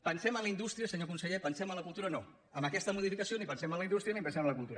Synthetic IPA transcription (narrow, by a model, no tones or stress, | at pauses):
pənsɛmənləind̪ust̪ɾiəsəɲokunsəʎepənsɛmələkulˠt̪uɾəno | əməkɛst̪əmuðifikəsionipənsɛmələind̪ust̪ɾiənipənsɛmələkulˠt̪uɾ